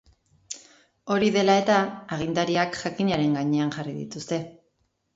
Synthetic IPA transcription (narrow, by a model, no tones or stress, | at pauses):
o̞ɾiðe̞lae̞t̪aːɣ̞ind̪aɾiakʝakiɲaɾe̞ŋɡaɲe̞anʝariðḭt̪ust̪e̞